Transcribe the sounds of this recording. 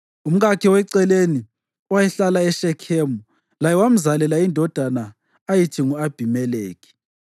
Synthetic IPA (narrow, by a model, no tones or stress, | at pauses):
um̩ɣakʰiwɛǀɛleni | wajɛɬalaɛʃɛkʰeːmu | lajɛwam̩zalɛlaindʱɔd̥ʱana | ajitʰiŋuab̥ʱimɛleːk̬ʼi̥